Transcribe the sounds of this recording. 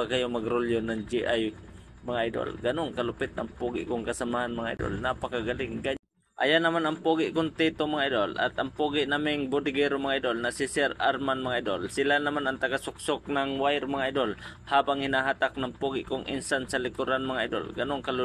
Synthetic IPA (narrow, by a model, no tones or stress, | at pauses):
akajomaɡɾʊljonaŋd͡ʒiʔajmaŋaʔjd̪o̰lɡanʊŋkalʊpɪt̪̚ʔa̰ŋpuɡɪ̰ʔkʊŋkasamahanmaŋaʔḭd̪o̰lnapakaɡalɪŋɡa | ʔa̰janamanɐŋpuːɡɪʔkʊnt̪it̪omaŋaid̪olʔa̰t̪aŋpuːɡɪʔnamɪŋbʊd̪ɪɡɛɾʊmaŋaʔid̪olnasɪsɛɾaɾmanmaŋaʔid̪olsɪlanamanaŋt̪aɡasʊk̚sʊk̚naŋwajɾmaŋaʔid̪olhaːbaŋhɪnaɦat̪ak̚naŋpuːɡɪʔkʊŋʔɪ̰nsansalɪkʊɾanmaŋaʔid̪o̰lɡanʊŋkal